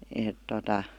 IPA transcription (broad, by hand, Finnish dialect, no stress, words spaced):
eˑt totɑ